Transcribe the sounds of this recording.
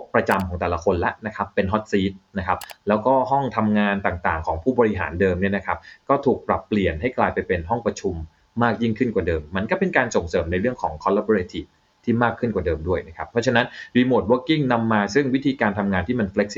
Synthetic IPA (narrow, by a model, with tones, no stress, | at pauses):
o˦˥pɾa˧t͡ɕa˧mkʰɔː˩˦ŋt̪ɛː˨˩la˧˦kʰo˧nla˦ʔna˦˥kʰa˦˥pːe˧nɦɔ˦˥t̪̚siː˦˥t̪̚na˦˥kʰa˦˥p̚lɛː˦˥wkɔː˥˩ɦɔ˥˩ŋt̪ʰa˧mŋaː˧nt̪aː˨˩ŋt̪aː˨˩ŋkʰɔː˩˦ŋpʰuː˥˩bɔː˧ɾi˦˥ɦa̰ː˩˦ndɤː˧mni˥˩ɐna˦kʰa˦˥p̚kɔː˥˩t̪ʰuː˨˩k̚pɾa˨˩pːli˨˩ənɦa˥˩jklaː˧jpa˧jpe˧nɦɔ˥˩ŋpɾa˧t͡ɕʰu˧mː | aː˥˩k̚ji˥˩ŋkʰɯ˥˩nkwaː˨˩dɤː˧mːa˧nkɔː˥˩pe˧nkaː˧nso˨˩ŋsɤː˩˦mna˧jɾɯ˥˩əŋkʰɔː˩˦ŋkʰɔ˧˦˥la˦˥bɔ˧ɾeː˧t̪ʰi˨˩ | t̪ʰiː˥˩maː˥˩kʰːɯ˥˩nkwaː˨˩dɤː˧mdu˥˩əjna˦˥kʰa˦˥pʰːɾɔ˦˥t͡ɕʰa˧na˦˥nɾiː˧mo˨˩t̪̚wo˦˥ki˥˩ŋna˧mːaː˧sɯ˥˩ŋwi˦˥t̪ʰiː˧kaː˧nt̪ʰa˧mŋaː˧nt̪ʰiː˥˩ma˧nfle˦˥k̚si˦